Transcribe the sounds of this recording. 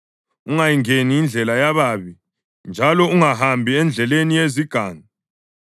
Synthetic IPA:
uŋajiŋeniːnd͡ɮʱɛlajaβaβi | nd͡ʒʱalɔuŋahambʱiɛnd͡ɮʱɛlenijeziɡ̥ʱaːŋa

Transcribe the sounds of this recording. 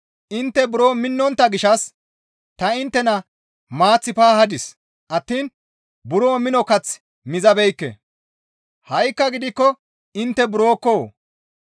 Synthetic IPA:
ʔɪnt̪ːɛbʊɾoːmɪnːɔnt̪ːɐɡɪʃɐs | t̪ɐɪnt̪ːɛnɐ | maːt͡sːɪpaːhɐd̪ɪs | ʔɐt̪ːiːn | bʊɾo̞ːmɪnɔkɐt͡s | mɪzɐbɛjkːɛ̰ | hɐjkːɐɡɪd̪ɪkːɔ | ɪnt̪ːɛbʊɾo̞ːkːoː

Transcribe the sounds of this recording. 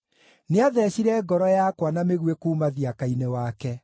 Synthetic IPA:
neaðɛɕiɾɛɡɔɾɔjakwanameɣwekuːmaðiakainewakɛ

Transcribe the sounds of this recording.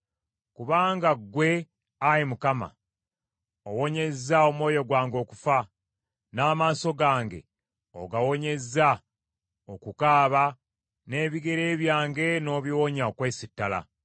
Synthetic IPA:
kuβaːŋɡaɡwe̞ | ajimukama̰ | o̞wo̞ɲe̞zːao̞mwo̞ːjo̞ɡwaːŋɡo̞ːkufa | naːmaːso̞ɡaːŋɡe̞̰ | o̰ɡawo̞ɲe̞zːa | o̞kukaːβa | ne̞ːβiɡe̞ɾe̞ːβjaːŋɡe̞no̞ːβiwoɲaokwe̞ːsitːala̰

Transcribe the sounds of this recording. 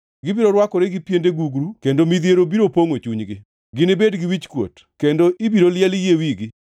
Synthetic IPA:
ɡɪbiɾoɾwakɔɾeɡɪpjendeɡuɡɾukendomiðjeɾobiɾopoŋot͡ʃuɲɡɪ | ɡɪnɪbedɡɪwit͡ʃkwo̰t | kendoʔibiɾoljɛljewiɡɪ

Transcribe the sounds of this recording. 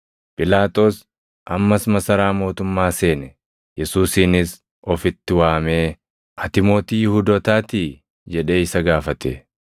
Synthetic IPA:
pʼɪlaːt̪ʼo̞ːs | ʔɐmːɐsmɐsɐɾaːmo̞ːt̪ʊmːaːse̞ːnɛ | jɛsuːsiːnɪs | ɔfɪt̪ːɪwaːmeː | ʔɐt̪ɪmo̞ːt̪iːjɪhuːd̪ɔːt̪aːt̪i | d͡ʒɛᶑe̞ːɪsɐɡaːfɐt̪ḛː

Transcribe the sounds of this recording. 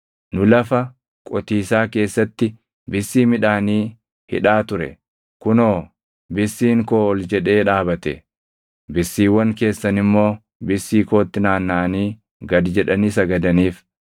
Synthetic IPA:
nʊlɐfɐ | kʼɔt̪iːsaːke̞ːsːɐt̪ːɪ | bɪsːiːmɪᶑaːniː | hɪ̰ᶑaːt̪ʊɾɛ̰ | kʊnoː | bɪsːiːŋkoːɔld͡ʒɛᶑe̞ːᶑaːbɐt̪ɛ̰ | bɪsːiːwːɐŋke̞ːsːɐnɪmːo̞ː | bɪsːiːko̞ːt̪ːɪnaːnːaːniː | ɡɐd̪d͡ʒɛᶑɐniːsɐɡɐd̪ɐniːf

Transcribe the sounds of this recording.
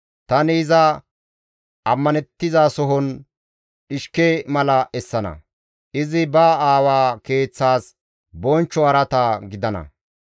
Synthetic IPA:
t̪ɐnɪːzɐ | ʔɐmːɐnɛt̪ːɪzaːsɔɦɔn | ᶑɪʃkemɐlɐʔɛsːɐnɐ̰ | ʔɪzɪbɐaːwaːke̞ːt͡sːaːs | bɔnt͡ʃːɔɐɾɐt̪ɐɡɪd̪ɐnɐ̰

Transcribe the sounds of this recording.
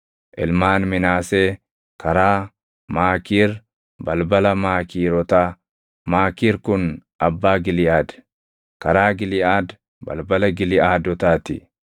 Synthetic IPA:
ʔɪ̰lmaːnmɪnaːseː | kɐɾaː | maːkiːɾ | bɐlbɐlɐmaːkiːɾɔt̪aː | maːkiːɾkʊnʔɐbːaːɡɪlɪaːd̪ | kɐɾaːɡɪlɪʔaːd̪ | bɐ̰lbɐlɐɡɪlɪʔaːd̪ɔt̪aːt̪ɪ̰

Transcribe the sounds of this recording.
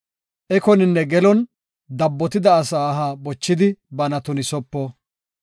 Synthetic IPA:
ʔɛkɔnɪnːɛɡɛlɔn | d̪ɐbːɔt̪ɪd̪ɐːsaːɦaːbɔt͡ʃːɪd̪ɪbɐnɐt̪ʊnɪsɔpːɔ

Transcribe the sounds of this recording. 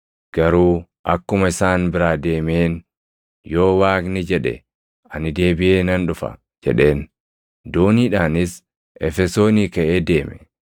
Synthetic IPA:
ɡ̥ɐɾuː | ʔɐkːʊmɐɪsaːnbɪɾaːd̪eːmeːn | jo̞ːwaːknɪd͡ʒɛᶑɛ̰ | ɐnɪd̪e̞ːbɪʔeːnɐnᶑʊfɐ̰ | d͡ʒɛ̰ᶑe̞ːn | d̪oːniːᶑaːnɪs | ʔɛ̰fɛso̞ːniːkɐʔeːd̪eːmɛ

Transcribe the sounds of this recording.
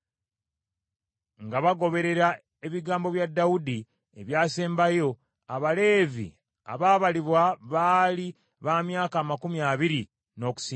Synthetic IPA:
ŋɡaβaɡo̞βe̞ɾe̞ɾa | e̞βiɡaːmbo̞βjadːawud̪i | eβjaːseːmbajo̞ | aβale̞ːvḭ | a̰βaːβaliβwaβaːli | βaːmjaːkaːmakumjaːβiɾi | no̞ːku̥siː

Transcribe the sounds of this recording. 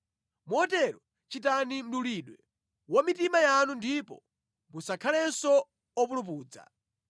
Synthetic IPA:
muɔtɛɾɔ | t͡ʃitanim̩ɗuliɗwɛ | wamitimajanundipɔ̰ | musakʰalɛnsɔ | ɔp̬ulup̬uːd͡za̰

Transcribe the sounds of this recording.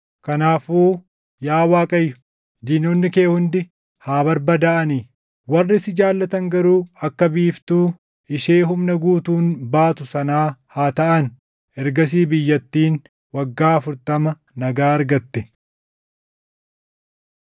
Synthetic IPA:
kɐnaːfuː | jaːwaːkʼɐjːʊ̥ | d͡ʒinoːnːɪke̞ːhʊnd̪ɪ | haːbɐɾbɐd̪aːʔɐniː | wɐrːɪsɪd͡ʒaːlːɐt̪ɐŋɡɐɾuːɐkːɐbiːft̪uː | ɪʃeːɦʊmnɐɡuːt̪uːnbaːt̪ʊsɐnaːhaːt̪ɐʔɐn | ɛɾɡɐs̬iːbɪjːɐt̪ːiːn | wɐɡːaːɐfʊɾt̪ɐmɐ | nɐɡaːɐɾɡɐt̪ːɪ

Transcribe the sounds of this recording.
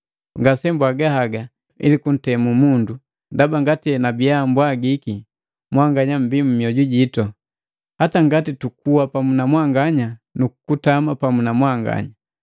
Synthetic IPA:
ŋɡasɛmbwaɡahaɡa | ḭlikun̩tɛmumundu | ndabaŋɡatinabiambwaɡiki | mwaŋɡaɲam̩bimumiɔɟuɟitɔ | hataŋɡatitukuwapamunamwaŋɡaɲanuku̥kutamapamunamwaŋɡa̰ɲa

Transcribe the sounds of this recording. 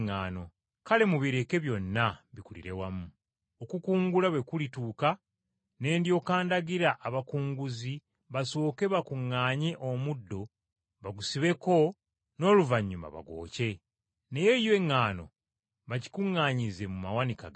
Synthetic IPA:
ŋːaːno̞ | kale̞muβiɾe̞ke̞βjo̞nːaβikulḭɾe̞wamu | okukuːŋɡulaβwe̞kulituːka | ne̞ːndjo̞kaːndaɡiɾaʔːβakuːŋɡuzi | βaso̞ːke̞βakuŋːaːɲeʔo̞mudːo̞ | βaɡusiβe̞ko̞ | no̞ːluvaɲːuma̰βa̰ɡo̞̰ːce̞ | ne̞je̞jwe̞ŋːaːno̞̰ | βaci̥kuŋːaːɲize̞mumawanika̰ɡa

